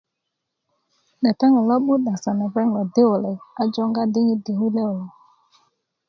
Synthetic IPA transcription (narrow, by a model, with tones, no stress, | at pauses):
ɗɛ˨ta˦ŋɪ˨lɔ˦ɓu˦ɗa˨sa˨nɪ˨bɛ˦ŋ˨lɔ˨dɪ˦ʊ˨le˨a˦d͡ʒɔ˦ŋ˦ɡa˦dɪ˦ɲɪ˦de˨ɦu˦le˦ʊ˨lɔ˨